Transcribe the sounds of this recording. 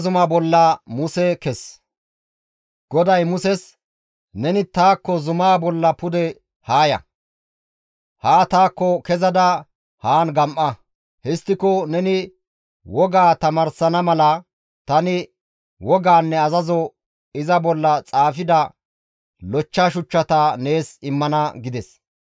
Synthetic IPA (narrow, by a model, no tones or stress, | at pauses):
zʊmabɔlːɐmʊsɛkɛs | ɡ̥ɔd̪ɐjmʊsɛs | nɛnɪt̪aːkːɔzʊmaːbɔlːɐpʊd̪ɛ | haːjɐ̰ | haːt̪aːkːɔkɛzɐd̪ɐ | haːnɡɐmʔːɐ | hɛst̪ːɪkɔnɛnɪ | wɔɡaːt̪ɐmɐɾsɐnɐmɐlɐ | t̪ɐnɪ | wɔɡaːnːɛɐzɐzɔ | ɪzɐbɔlːɐt͡sʼaːfɪd̪ɐ | lɔt͡ʃːaʃʊt͡ʃːɐt̪ɐne̞ːsɪmːɐnɐɡɪd̪ɛs